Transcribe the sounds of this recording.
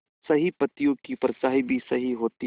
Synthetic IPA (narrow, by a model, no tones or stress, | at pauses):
sɐɦipɐt̪ijõkipɾət͡ʃaːɦibʱisɐɦiɦoːt̪i